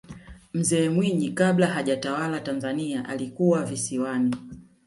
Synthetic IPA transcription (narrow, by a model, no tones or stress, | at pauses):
m̩zɛːmwiɲikaɓlaɦaʄatawalatanzaniaʔa̰likuwavisiwani